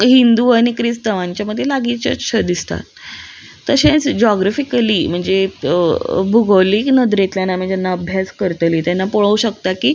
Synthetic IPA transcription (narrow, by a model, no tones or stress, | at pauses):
ɦind̪uaɽ̃ikɾist̪əʋãɲt͡ɕjaməd̪ʱːjelaɡit͡ɕə̰ɕʰəd̪ist̪a̰t̪ː | əɕẽt͡sd͡ʑɔɡɾafikəlim̤əɳd͡ze | bʱuɡəʋliːknəd̪ɾet̪ljanam̤əɳd͡zd͡ʑanːaəbʱjaskəɾt̪liːt̪janːapoɭauɕəkt̪akiː